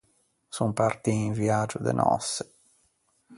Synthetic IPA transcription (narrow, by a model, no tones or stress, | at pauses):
sumpart̪iːɱviad͡ʒʊd̪ḛnʔɔ̰sːe̥